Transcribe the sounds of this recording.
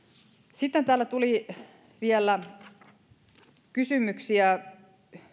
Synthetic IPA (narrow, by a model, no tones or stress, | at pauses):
sit̪ːent̪æːlːæt̪uli | ʋielːæ | kysymyksiæ